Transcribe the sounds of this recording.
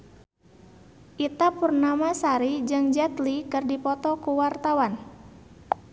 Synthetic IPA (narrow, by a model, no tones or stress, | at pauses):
ʔit̪apurnamasaɾid͡ʒɨŋd͡ʒat̪likɨrdipɔt̪ɔkuwart̪awan